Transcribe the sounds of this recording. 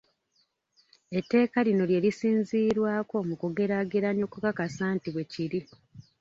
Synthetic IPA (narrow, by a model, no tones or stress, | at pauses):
etːe̞ːkalino̞lje̞ːlisiːnziːɾwaːko̞mukuɡe̞ɾaɡeɾanjo̞kukakasaːntiβwe̞ciɾi